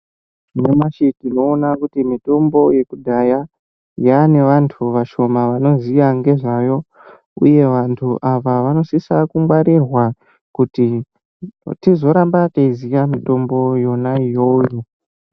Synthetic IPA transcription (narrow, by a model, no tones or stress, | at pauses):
nemaʃitino̞ːnakutimito̞mbo̞je̞kudʱaja | jane̞ʋantʰuʋaʃo̞maʋano̞zijaŋɡe̞ʐajo̞ | ṵje̞ʋantʰuʔaʋaʋano̞sisakumwaɾirwa | kuti | tizo̞ɾambateizijamito̞mbo̞jo̞naijo̞jo